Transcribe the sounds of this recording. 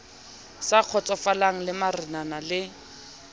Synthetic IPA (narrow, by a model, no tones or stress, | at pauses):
saq͡χʰɔt͡sɔfalaŋ̩lɪmarɪnanalɪ